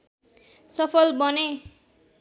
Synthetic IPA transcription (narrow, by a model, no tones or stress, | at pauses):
sʌpʰʌlbʌne